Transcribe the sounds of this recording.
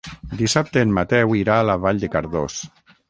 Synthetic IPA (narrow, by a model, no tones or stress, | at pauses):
d̪isap̚t̪eːnmːat̪ɛwiɾaːlaβaʎd̪ekaɾðos